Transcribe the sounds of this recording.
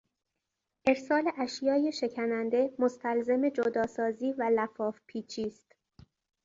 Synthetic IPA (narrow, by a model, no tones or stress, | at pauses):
ʔe̞ɾsɒːle̞ʔæʃjɒːjeʃe̞cʰænænd̪e̞most̪ʰælzeme̞d͡ʒod̪ɒːsɒːziːvælæfɒːfpʰiːt͡ʃʰiːst̪